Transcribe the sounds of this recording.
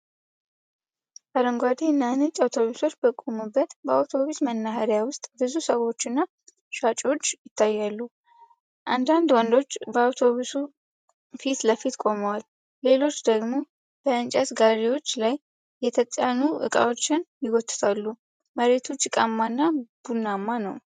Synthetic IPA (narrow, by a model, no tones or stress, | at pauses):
baɾəŋɡʷad̪enːanɨt͡ʃʼawt̪ʰo̞βuso̞t͡ʃːbəkʼumubːət̪bəa̰wt̪ʰo̞βusmənːaɦaɾjawʊst̪ʼbɨzusəwo̞t͡ʃːɨnːa | ʃat͡ʃʼo̞t͡ʃːjɪt̪ʰːajːalːu | ʔand̪and̪wɔnd̪o̞t͡ʃːbəawt̪ʰo̞βusu | fit̪ləfit̪kʷʼo̞məwal | le̞lo̞t͡ʃːd̪əɡmo̞ | b̥əɨnt͡ʃʼasɡaɾiwo̞t͡ʃːlajː | ɛt̪ʰət̪ʼanuʔɨ̰kʼa̰wot͡ʃːɪnjɪɡɔt̪ʰʼːɨ̥t̪ʰalːu | məɾe̞t̪ʰut͡ʃʼːɪkʼamːanːab̥unːamːanəw